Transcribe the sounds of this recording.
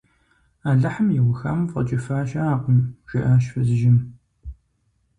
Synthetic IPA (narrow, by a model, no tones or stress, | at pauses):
aːɮɐħəmjɪwʊxɐ̰mfɐ̰t͡ʃʼɪfaːʃɐaːqʊmʒ̥ɪʔɐʃfɨzʒɪm